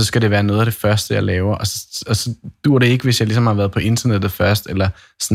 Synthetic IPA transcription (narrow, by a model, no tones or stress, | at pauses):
ɒ̽sɡ̥æɾe̝ʋæːɐnɔ̽ːð̞ˠædefɶɐsd̥əjɑ̈ɪlɛːʊɐʔɒsɒ̽ɒ̽sɒ̽d̥uːɐ̰ɾ̥e̝e̝ɡ̥əʋe̝sjɑ̈ɪlisɒ̽mhɑ̈ʋæːɐð̞ˠpʰɒ̽ʔe̝nd̥ɐned̥ð̩ˠfɶɐsd̥elɐ | sn